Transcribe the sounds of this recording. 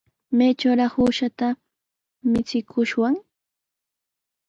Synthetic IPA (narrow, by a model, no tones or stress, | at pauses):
majt͡ʃawɾɑχhuːʃat̪a | mɪt͡sɪkʰʊʃwaŋ